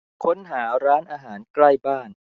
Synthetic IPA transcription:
kʰo˦˥nɦaː˩˦ɾaː˦˥nʔaː˧ɦaː˩˦nkla˥˩jbaː˥˩n

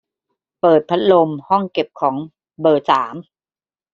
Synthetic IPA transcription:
pɤː˨˩t̪̚pʰa˦˥t̪̚lo˧mhɔ˥˩ŋke˨˩p̚kʰɔː˩˦ŋ | bɤː˨˩saː˩˦m

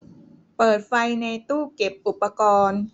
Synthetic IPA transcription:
pɤː˨˩t̪̚fa˧jna˧jt̪uː˥˩ke˨˩p̚ʔu˨˩pːa˧kɔː˧n

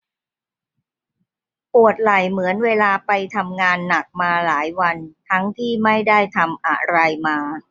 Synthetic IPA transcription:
pu˨˩ət̪̚la˨˩jmɯ˩˦ənweː˧laː˧pa˧jt̪ʰa˧mŋaː˧nːa˨˩k̚maː˧laː˩˦jwa˧nt̪ʰa˦˥ŋt̪ʰiː˥˩ma˥˩jda˥˩jt̪ʰa˧mʔa̰˨˩ɾa˧jmaː˧

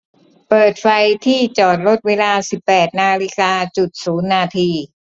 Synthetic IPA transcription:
pɤː˨˩t̪̚fa˧jt̪ʰiː˥˩t͡ɕɔː˨˩t̪̚lo˦˥t̪̚weː˧laː˧si˨˩pːɛː˨˩t̪̚naː˧li˦˥kaː˧t͡ɕu˨˩t̪̚suː˩˦nːaː˧t̪ʰiː˧

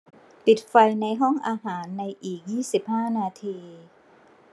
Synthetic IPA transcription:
pi˨˩t̪̚fa˧jna˧jɦɔ˥˩ŋʔaː˧ɦaː˩˦nːa˧jʔiː˨˩k̚jiː˥˩si˨˩p̚haː˥˩naː˧t̪ʰiː˧

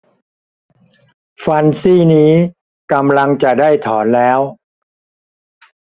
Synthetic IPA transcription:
fa˧nsiː˥˩niː˦˥ | ka˧mla˧ŋt͡ɕa˨˩daː˥˩jt̪ʰɔː˩˦nlɛː˦˥w

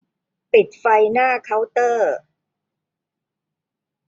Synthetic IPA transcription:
pi˨˩t̪̚fa˧jnaː˥˩kʰa˦˥wt̪ɤː˥˩

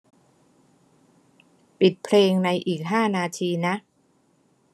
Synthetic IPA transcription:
pi˨˩t̪̚pʰleː˧ŋna˧jʔiː˨˩k̚ɦaː˥˩naː˧t̪ʰiː˧na˦˥ʔ

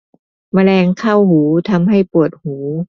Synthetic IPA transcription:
ma˧lɛː˧ŋkʰa˥˩whuː˩˦t̪ʰa˧mɦa˥˩jpu˨˩ət̪̚huː˩˦

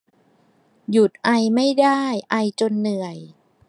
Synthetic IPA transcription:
ju˨˩t̪̚ʔa˧jma˥˩jdaː˥˩jʔa˧jt͡ɕo˧nːɯ˨˩əj

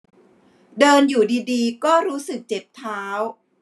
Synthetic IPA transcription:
dɤː˧njuː˨˩diː˧diː˧kɔː˥˩ɾuː˦˥sɯ˨˩k̚t͡ɕe˨˩p̚t̪ʰaː˦˥w

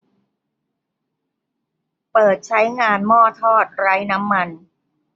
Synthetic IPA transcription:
pɤː˨˩t̪̚t͡ɕʰa˦˥jŋaː˧nmɔː˥˩t̪ʰɔː˥˩t̪̚ɾa˦˥jna˦˥mːa˧n

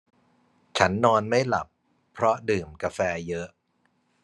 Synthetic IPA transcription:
t͡ɕʰa˦˥nːɔː˧nma˥˩jla˨˩pʰː | ɾɔ˦˥dɯː˨˩mka˧fɛː˧jɤ˦˥ʔ

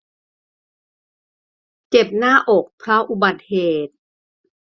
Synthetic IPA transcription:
t͡ɕe˨˩p̚naː˥˩ʔo˨˩k̚pʰɾa˦˥ʔu˧˩ba˨˩t̪̚heː˨˩t̪̚

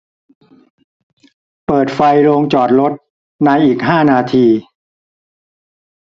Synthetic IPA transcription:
pɤː˨˩t̪̚fa˧jɾoː˧ŋt͡ɕɔː˨˩t̪̚ɾo˦˥t̪̚ | na˧jʔiː˨˩k̚ɦaː˥˩naː˧t̪ʰiː˧

